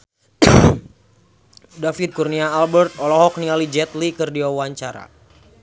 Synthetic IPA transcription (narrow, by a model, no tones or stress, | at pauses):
dafid̪̚kurniaːlbɛrt̪̚ɔlɔɦɔk̚niŋalid͡ʒɛt̪likɨrdiawaɲt͡ʃaɾa̰